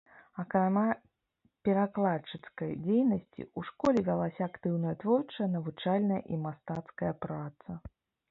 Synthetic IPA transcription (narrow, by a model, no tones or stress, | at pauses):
ɐkɾama | pʲɛɾaklˠat͡ʂːɨt̪skɐjd͡zʲejnɐsʲt͡sʲḭuʂkɔlʲɛvʲalˠasʲɐakt̪ɨwnɐjɐt̪vɔrt͡ʂɐjɐnɐvut͡ʂalʲnɐjɐ̰ʔimast̪at̪skɐjɐpɾat̪sɐ